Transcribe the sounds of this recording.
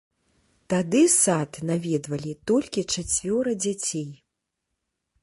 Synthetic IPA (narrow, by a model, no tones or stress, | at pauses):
t̪ad̪ɨsat̪navʲɛd̪vɐlʲit̪ɔlʲkʲit͡ʂat͡sʲvʲɔɾɐd͡zʲat͡sʲej